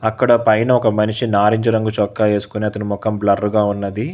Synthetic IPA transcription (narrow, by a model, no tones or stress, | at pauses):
ɐkːɐɽɐpɐjnɐɔkɐmɐniʂinaːɾiɲd͡ʒɐɾɐŋɡut͡ʃɔkːae̞ːsu̥kuneːɐt̪ɐnimɔkɐmblɐrːuɡaːunːɐd̪i